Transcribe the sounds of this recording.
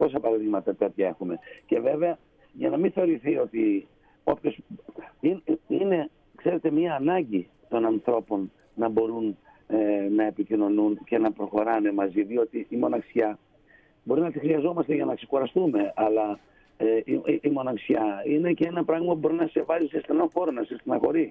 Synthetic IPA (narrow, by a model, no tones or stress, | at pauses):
po̞s̬ɐpɐɾɐðiɣmɐt̪ɐt̪et̪çɐe̞xume̞ce̞ve̞ve̞ɐ | ʝɐnɐminθe̞o̞ɾiθio̞t̪i | o̞pço̞sinine̞ | kse̞ɾe̞t̪e̞mɲiɐːnɐɲɟi | t̪o̞nɐnθɾo̞po̞nː | ɐbo̞ɾunː | ɐe̞picino̞nunce̞nɐpɾo̞xo̞ɾɐne̞mɐziðio̞t̪iːmo̞nɐksçɐ | bo̞ɾinɐt̪ixɾiɐzo̞mɐst̪e̞ʝɐnɐksekuɾɐst̪ume̞ɐlɐ | eiimo̞nɐksçɐine̞ceenɐpɾɐɣmɐpubo̞ɾinɐse̞vɐzisest̪enɐnfo̞ɾonɐsest̪enɐ̰xo̞ɾi